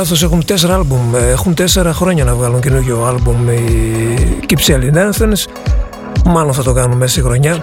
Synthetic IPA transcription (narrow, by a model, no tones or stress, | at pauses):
ɐθo̞s̬e̞xunt̪e̞s̬eɾɐɐlbumexunt̪e̞se̞ɾɐxɾo̞ɲɐnɐvɣɐluɲcenuçoɐlbumi | cipselinenθenes | mɐlo̞nθɐt̪okɐnunmesɐsixɾo̞ɲɐ